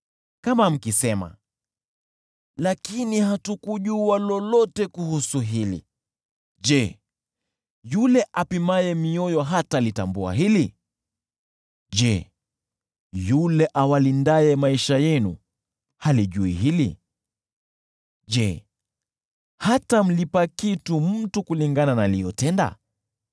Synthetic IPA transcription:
kamam̩kisɛma̰ | lakinihatukuʄualɔlɔtɛkuhusuɦilḭ | ʄɛ | julɛʔapimajɛmiɔjɔɦatalitambua̰ɦili | ʄɛ | julɛʔawalindaɛmaiʃajɛnṵ | haliʄuḭɦilḭ | ʄɛ | hatam̩lipakitum̩tukuliŋɡananalijɔtɛnda̰

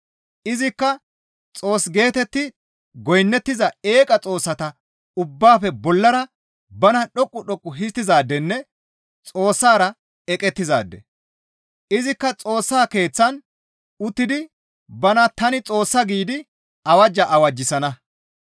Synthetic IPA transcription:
ʔɪzɪkːɐ | t͡sʼoːsɡe̞ːt̪ɛt̪ːɪ | ɡɔjnːɛt̪ːɪzɐe̞ːkʼɐt͡sʼo̞ːsːɐt̪ɐ | ʊbːaːfɛbɔlːɐɾɐ | bɐnɐɗɔkʼːʊɗɔkʼːʊɦɪst̪ːɪzaːd̪ːɛnːɛ | t͡sʼo̞ːsːaːɾɐ | ɛkʼɛt̪ːɪza̰ːd̪ːɛ̰ | ʔɪzɪkːɐt͡sʼo̞ːsːaːke̞ːt͡sːɐn | ʊt̪ːɪd̪ɪ | bɐnɐt̪ɐnɪt͡sʼo̞ːsːɐɡiːd̪ɪ | ɐwɐd͡ʒːɐʔɐwɐd͡ʒːɪsɐnɐ

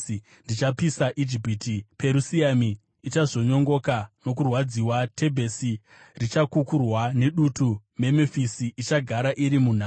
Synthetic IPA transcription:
ndit͡ʃapisaʔid͡ʒipitipe̞ɾusiamiː | t͡ʃazo̞ɲo̞ŋɡo̞kano̞k̬urwad͡ziwatʰe̞bʱe̞si | rit͡ʃakukurwane̞ɗutume̞mefisiʔit͡ʃaɡʱaɾaʔiɾimun̤aː

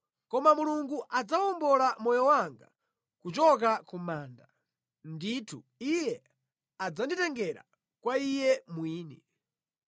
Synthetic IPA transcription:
kɔmamuluŋɡuʔad͡zawɔmbɔlamɔjɔwaŋɡa̰ | kut͡ʃɔk̬akumaːnda | nditʰuijɛ | ad͡zanditɛŋɡɛɾa̰ | kwaijɛmwiːni

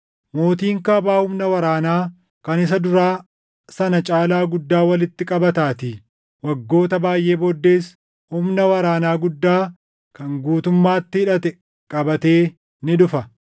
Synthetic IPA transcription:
mo̞ːt̪iːŋkɐːbaːhʊmnɐwɐɾaːnaː | kɐnɪs̬ɐd̪ʊɾaː | sɐnɐt͡ʃʼaːlaːɡʊd̪ːaːwɐlɪt̪ːɪkʼɐbɐt̪aːt̪ɪ | wɐɡːo̞ːt̪ɐbaːjʔe̞ːbod̪ːe̞ːs | hʊmnɐwɐɾaːnaːɡʊd̪ːaː | kɐŋɡuːt̪ʊmːaːt̪ːɪɪᶑɐt̪ɛ | kʼɐbɐt̪e̞ː | nɪd̪ʊfɐ

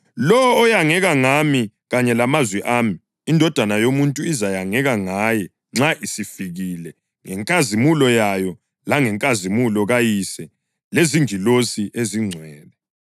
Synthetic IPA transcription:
lɔwɔːjaŋɛɣaŋami | ɣaɲɛlamazwɛʔaːmi | indʱɔd̥ʱanajomuntʼuizajaŋɛɣaŋajɛ | ŋ͡ǁaʔisifiɣilɛ | ŋɛŋkʼazimulɔjajɔ | laŋɛŋkʼazimulɔɣajisɛ | leziŋilosiʔeziŋ͡ǀʱwɛːlɛ

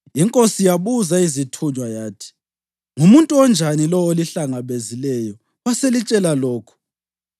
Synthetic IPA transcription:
iŋkʼosijaβuzaizitʰuɲwajaːtʰi̥ | ŋumuntʼuɔnd͡ʒʱanilɔoliɬaŋaβezilɛjɔ | waselit͡ʃʼɛlalɔːkʰɔ̥

